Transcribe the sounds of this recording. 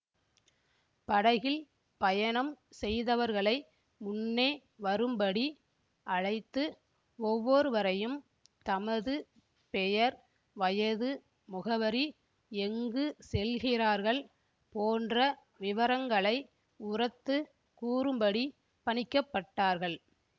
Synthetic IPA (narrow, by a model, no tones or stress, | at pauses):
pɐɽɐɣɪl | pɐjɐnɐmsɛjðɐʋɐɾɣɐɭɐɪ | mʊnːeː | ʋɐɾɯmbɐɽi | ʔɐɻɐɪt̪ːɯ | ɔʋːɔɾɯʋɐɾɐjɯm | t̪ɐmɐðɯ | pɛjɐɾ | ʋɐjɐðɯ | mʊɣɐʋɐɾi | ɛŋɡɯsɛlɣɪraːɾɣɐɭ | poːndrɐ | ʋɪʋɐɾɐŋɡɐɭɐɪ | ʊrɐt̪ːɯ | kuːrɯmbɐɽi | pɐɳɪkːɐpːɐʈːaːɾɣɐɭ